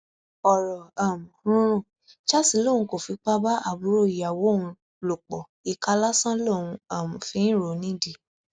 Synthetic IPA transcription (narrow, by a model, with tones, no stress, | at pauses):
ɔ˨ɾɔ˨a˨mũ˨hũ˦ɾ̃ũ˦˨ | t͡ʃa˦si˧˦lo˦˨ũ˧˦ko˨fi˧k͡pa˦ba˦ʔa˦˨bu˨˦ɾo˦˨i˨ja˨wo˨˦ũ˧ | lo˨k͡pɔ˨ | i˨ka˧˦la˦sã˦lo˦˨wũ˧a˨mũ˨fĩ˧˦ɾo˨˦nĩ˨˦di˨